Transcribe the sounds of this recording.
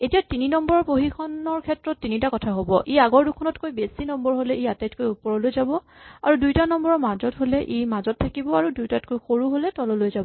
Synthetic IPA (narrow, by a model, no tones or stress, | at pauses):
etijatininɔmbɔɹɔpoɦikʰɔnɔɹkʰɛtɹɔtːinitakɔtʰaɦobɔʔeaɡɔɹdukʰɔnɔtkojbesinɔmbɔɹɦolɛejatajtkojupɔɹɔlojzabɔ | a̰ɹudujtanɔmbɔɹɔmazɔtɦolɛʔejmazɔtʰːakibɔaɹudujtatkojxoɹuɦolɛtɔlɔlojzabɔ